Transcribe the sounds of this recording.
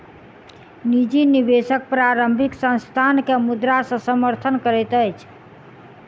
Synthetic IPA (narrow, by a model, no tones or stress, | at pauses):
nid͡ʒinibesək̚pɾaɾəmbʱiksə̃st̪ʰankeəmud̪ɾasə̃səməɾt̪ʰənkəɾɛt̪əjt͡ʃʰ